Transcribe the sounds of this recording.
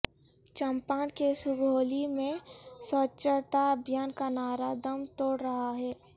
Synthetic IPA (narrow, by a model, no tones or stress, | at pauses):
t͡ʃəmpaːnkesʊɡʱoːlimẽsət͡ʃːəɾt̪aəbʱjaːnkanaːɾad̪əmt̪oːɽɾɐɦaɦɛː